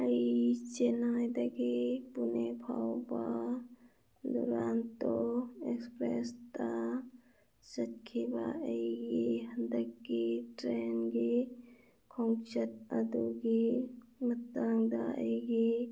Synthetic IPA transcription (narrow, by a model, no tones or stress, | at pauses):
əit͡ʃenaːjd̪ɐɡepunebʰʱa̰ːwbaː | d̪oɾaːnt̪oekspɾest̪a | sɐtkʰeba̰ːeɡeɦɐnd̪əkːeʈɾeːnɡe | kʰõŋt͡ʃət̪ɐd̪uɡemɐt̪ːaːŋd̪aːeɡe